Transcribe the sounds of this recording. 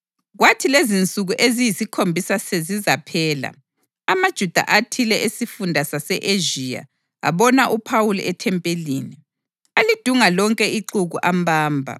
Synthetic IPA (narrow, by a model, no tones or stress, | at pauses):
ɣwatʰilezint͡sʼuɣuʔezijisikʰombʱisasezizapʰɛːla̰ | amad̥ʒ̥ʱud̥ʱa̰ʔatʰilɛʔesifundʱasasɛʔeʒija̰ | a̰βɔnaʔupʰawulɛtʰɛmpʼeliːni | alid̥ʱuŋalɔŋkʼɛiǃuɣuʔambʱaːmbʱa̰